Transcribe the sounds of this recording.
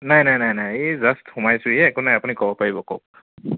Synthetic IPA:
najnajnajnajezasthumajsʊijɛːkunajapunikɔbɔpaɹibɔko̰k̚

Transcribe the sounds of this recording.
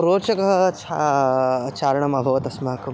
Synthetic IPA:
ɾoːt͡ʃɐkɐɦɐt͡ʃa | t͡ʃaːɾɐɳɐmɐbʱɐʋɐt̪ɐsmaɦɐkɐ

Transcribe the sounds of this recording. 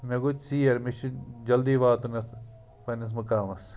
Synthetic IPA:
meɡut͡ʃsiːɐɾmiʃd͡ʒɐld̪iːʋaːt̪unɐs | pɐnɐs̬mɐkaːmɐs

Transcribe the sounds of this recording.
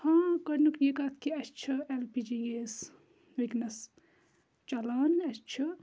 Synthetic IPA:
hãːkɐɾnukʰjekat̪ʰkiɐt͡ʃʰɐelpid͡ʒijeːs | ʋiknɐs | t͡ʃɐlaːnɐt͡ʃʰɐ

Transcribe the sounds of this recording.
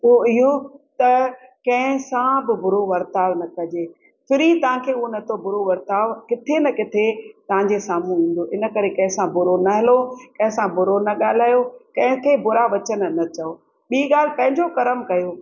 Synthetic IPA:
oɪɦot̪ɐkɐ̃ɦɪ̃sãbɪbʊɾoʋɐɾt̪aːʋnɐkɐd͡ʑeː | fʰɪɾit̪ɐʋ̤ãkʰeuonɐt̪ʰobʊɾoʋɐɾt̪aːʋkɪt̪ʰenɐkɪt̪ʰet̪ɐʋ̤ãɲd͡ʑesaːmũĩːn̆d̪oʔɪnə̆kɐɾekɐ̃ɦɪ̃sãbʊɾonɐɦɪlokɐ̃ɦɪ̃sãbʊɾonɐɠaːl̤aːjokɐ̃ɦɪ̃kʰebʊɾaʋɐt͡ɕən̆nɐt͡ɕɐo | ɓiːɠaːl̤ɪpɐ̃ɦɪ̃ɲd͡ʑokɐɾəmkɐjoː

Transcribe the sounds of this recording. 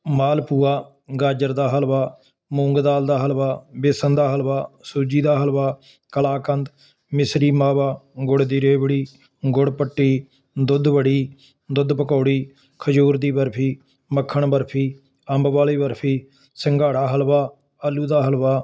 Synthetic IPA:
maːlpuːaː | ɡaːd͡ʒəɾd̪aːɦəlʋaː | mũːŋɡd̪aːld̪aːɦəlʋaːbɪsənd̪aːɦəlʋaːsuːd͡ʒiːd̪aːɦəlʋaː | kəlaːkənd̪ | mɪsɾiːmaːʋaːɡʊɽd̪iːɾeːbəɽiː | ɡʊɽpəʈːiː | d̪ʊd̪bəɽiː | d̪ʊd̪pəkoːɽiː | kʰəd͡ʒuːɾd̪iːbəɾpʰiː | məkʰːəɳbəɾpʰiː | əmbʋaːliːbəɾpʰiː | səŋɡaːɽaːɦəlʋaː | əlːuːd̪aːɦəlʋaː

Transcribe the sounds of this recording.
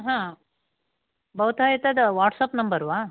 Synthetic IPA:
ɦãː | bɐʋt̪aːjɐt̪ɐd̪ɐʋaːʈsaːpnɐmbɐɾʋaː

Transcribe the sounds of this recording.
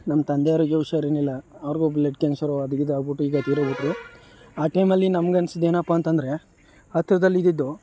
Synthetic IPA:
nɐmːɐt̪ɐnd̪eaːɾoɡeʋuʃaːɾeːnilːɐɐʋɐɾɡubleʈ̚keːnsɐɾoɐd̪ɐɡid̪aːbuʈːuiːɡɐt̪iːɾobuʈɾi | aːʈɐjmɐlːinɐmɐɡeɐnsid̪e̞ːnɐpːaːnt̪ɐnd̪ɐɾe̞ | hɐt̪ɾɐd̪ɐlːid̪id̪ːu

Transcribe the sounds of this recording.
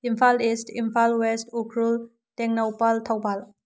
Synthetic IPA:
impʰalisʈʰimpʰalwesʈʰukʰɾul | teŋnowpalt̪ʰawbal

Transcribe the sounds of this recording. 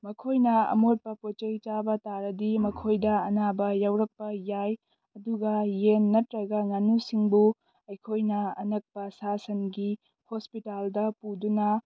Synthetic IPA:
mɐkʰojnɐɐ̰mot̚pɐpot͡ʃɐjt͡ʃabɐtaɾɐdimɐkʰojdɐɐnabɐjawɾɐk̚pɐjaj | ɐduɡɐjenːɐtɾɐɡɐŋanusiŋbu | ɐjkʰojnɐɐ̰nɐk̚pɐsasɐnɡi | hospitaldɐpudunɐ

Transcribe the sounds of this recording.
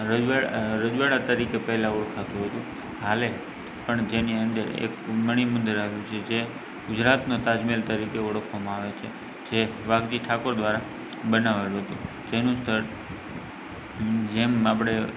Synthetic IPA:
ɾəd͡ʒʋaɾəd͡ʒʋaɽat̪əɾikepəɦlaɔɽkʰat̪ũɦət̪ũ | hale | pəɳd͡ʒeniənd̪əɾḛkməɽ̃imʊnd̪ɾaɦjũt͡ʃʰed͡ʒe | ɡʊd͡ʒɾat̪not̪ad͡ʒmilt̪əɾikeɔɽəkʰʋamãaʋet͡ʃʰe | d͡ʒeʋaɡd̪iʈʰakoɾd̪ʋaɾa | bənaʋeluɦət̪ṵ̃ | d͡ʒenũst̪ʰəɾ | d͡ʒemapɽ̃e

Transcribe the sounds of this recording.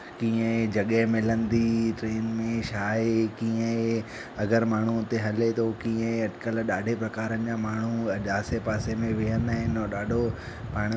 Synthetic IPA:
kiːə̃d͡ʑɐɠəmɪlənd̪iʈɾeːnmẽʃaːekiːə̃e | ɐɡəɾmaːɳ̤uʊt̪eɦɐlet̪ʰokĩːə̃ɐɖkəlɗaːɖʱepɾɐkaːɾənɪ̆d͡ʑaːmaːɳ̤uʄaːsepaːsemẽʋɪɦənd̪aɦɪnoɗaːɖʱo | paːɽ̃

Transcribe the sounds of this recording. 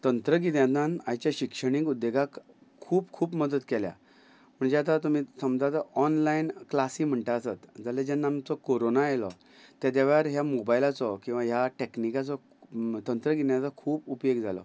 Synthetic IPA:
t̪ənt̪ɾəɡit̪jad̪anajt͡ɕjaɕikʂəɽ̃ĩkud̪ːjeɡak | kʰuːpkʰuːpməd̪ət̪kelja̰ | m̤əɳd͡zejat̪at̪um̤isəmd͡zat̪ɔɔnlainklasiːm̤əɳʈaəsat̪d͡zaled͡ʑɛnːamt͡sɔkoɾonaelɔ | t̪jat̪̬jaʋaɾɦjamobajlat͡sɔkĩw̃ʋaɦjaʈeknikat͡sɔ | t̪ənt̪ɾəɡit̪jat͡sɔkʰuːpupjoɡd͡zalɔ̰

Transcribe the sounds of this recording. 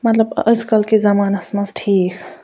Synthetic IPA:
mɐt̪ləbə̰jskəlkezamaːnasməsʈʰiːk

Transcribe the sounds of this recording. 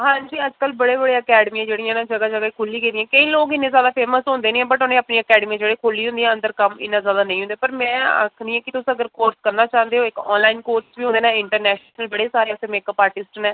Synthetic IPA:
ɦãːɲd͡ʒiːəd͡ʒkəlbəɽeːbəɽeːəkɛːɖmiːãːd͡ʒeːɽijãːnãːd͡ʒəɡaːd͡ʒəɡaikʰʊlːiːkeːd̪ijãːkəĩːloːkɪnːẽːzjaːd̪aːpʰeːməsɦʊ̃nd̪eːnĩːɛ̃bəʈʊnẽːapniːəkɛːɖmiãd͡ʒeːɽeːkʰʊlːiːɦʊ̃nd̪iːãːə̃nd̪əɾkəmɪ̰nːãːzjaːd̪aːnə̃ĩːɦʊ̃nd̪eːpəɾmɛ̃ːə̰kʰnĩːɛ̃ːkɪt̪ʊsəɡəɾkoːɾskəɾnaːt͡ʃaːnd̪eːɦoːɪkɔ̰ːnlaːinkoːɾʈsʋiːɦʊnd̪eːnãːɪɳʈəɾnɛːʃnəlbəɽeːsaːɾeːʊsemeːkəpaːɾʈɪsʈnɛː

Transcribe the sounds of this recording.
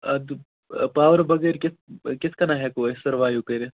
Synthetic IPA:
ɐd̪ | paːʋəɾbɐɡɐːɾkɪskɪskɐnaɦɛkoːesɐɾʋaːjukɐɾe

